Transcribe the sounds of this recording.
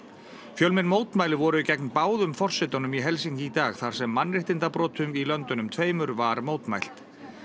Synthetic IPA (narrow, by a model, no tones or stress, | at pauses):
fjœlmɪnmoːwt̪majlɪvɔɾʏcɛknpaːwðʏmfɔr̥sɪt̪ɔnʏmiɦɛlsiɲcɪːt̪aːɣθaɾ̥sɛmːanːrɪht̪ɪnt̪apɾɔːt̪ʰʏmilœnt̪ʏnʏmt̪ʰveːjmʏɾvaɾmoːwt̪majl̥t̪